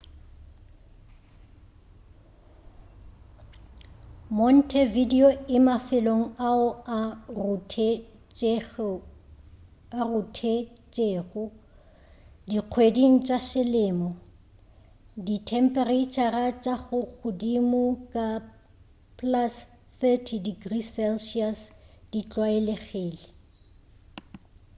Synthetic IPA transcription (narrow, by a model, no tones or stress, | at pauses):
mɔn̩tʰɛvidioɪmafɪloŋ̩aʊa | arʊtʰet͡ʃʼeːɣʊ | diq͡χʰwediŋ̩t͡ʃʼaʃɪlɪːmɔ | ditʰɛm̩pʼɛret͡ʃʰʼarat͡ʃʼaɣʊɣʊdimʊkʼa | pʼlas | θɛtʰidiɡrisɛlʃiasd̥it͡ɬʼwaeleɣɪːlɪ